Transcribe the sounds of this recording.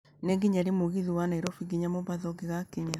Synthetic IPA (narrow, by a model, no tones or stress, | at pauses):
neŋɡeɲaɾemoɣiðiwanaiɾɔfiɡiɲamoβaðɔɡeɣakeɲe